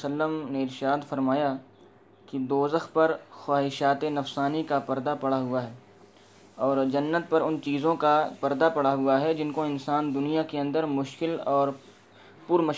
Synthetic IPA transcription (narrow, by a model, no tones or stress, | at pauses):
səlːəmneɪɾʃaːd̪fɐɾmaːja | kid̪oːzəxpɐɾxwaːɦɪʃaːt̪enɐfsaːnikapɐɾd̪apɐɽaɦʊaɦɛː | ɔːɾd͡ʒɐnːət̪̚pɐɾʊnt͡ʃiːzõkapɐɾd̪apɐɽaɦʊaɦɛd͡ʒɪnkoɪnsaːnd̪ʊnijakeɐ̃nd̪əɾmʊʃkɪlɔːɾ | pʊɾmɐ